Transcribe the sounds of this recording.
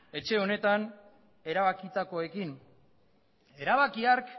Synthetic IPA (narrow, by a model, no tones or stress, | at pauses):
e̞t͡ʃe̞o̞ne̞t̪an | e̞ɾaβakit̪ako̞e̞kin | e̞ɾaβakiaɾk